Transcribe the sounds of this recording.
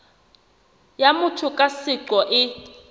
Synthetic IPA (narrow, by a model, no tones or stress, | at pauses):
jamʊtʰʊkʼasɪǁɔʔɪ